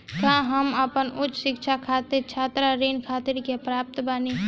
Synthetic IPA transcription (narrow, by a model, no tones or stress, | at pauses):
kãɦəməpənʊt͡ʃːʃɪkʃakʰaːt̪ɪɾt͡ʃʰaːt̪ɾaɾiːnkʰaːt̪ɪɾkepɾaːp̚t̪baːni